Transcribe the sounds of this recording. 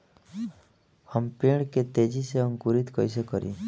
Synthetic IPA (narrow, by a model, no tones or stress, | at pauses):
həmpiɽ̃ket̪ed͡ʒiseəŋkuɾit̪kɔjsekɔɾḭ